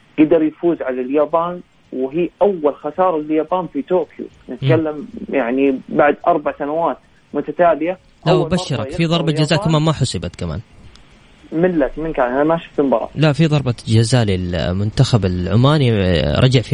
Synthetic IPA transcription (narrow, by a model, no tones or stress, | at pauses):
ɡ̥ad̪ɑɾˤjfuːzʕalaljaːbaːn | wɦiːʔawːalxasɑːɾˤɑljaːbaːnfit̪oːkʰjṵ | nɪt̪kalːamjaʕnibaʕd̪ʔɑɾˤbaʕsanawaːt̪ | mʊt̪at̪aːlɪja | lawbaʃːɪɾˤɑkfiðˤɑɾˤbɑd͡ʒazaːkamaːnmaħʊsˤɨbat̪kama̰ːn | mɪlːat̪mɪnkaːnʔanamaʃʊ̥ft̪ɪmbɑɾˤɑ̰laʔfiðˤɑɾˤbɑd͡ʒazaːlɪlmʊnt̪axabɪlʕʊmaːniɾˤɑ̰d͡ʒaʕfi